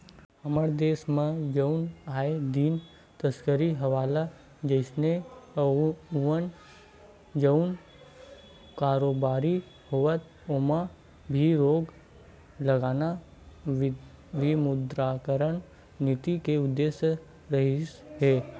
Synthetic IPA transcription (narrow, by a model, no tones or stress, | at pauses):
ɐməɾd̪eːsmẽd͡ʒəʊnaːed̪iːn | t̪əskəɾiɦɐʋaːla | d͡ʒəɪsne | ən | d͡ʒəʊn | kaːɾoːbaːɾi | hoːʋət̪ | oma | bʱiɾoːɡ | ləɡaːna | ʋimʊd̪ɾaːkəɾəɳ̃ | nɪt̪ikeʊd̪ːeːsə | ɾəɦiɦeː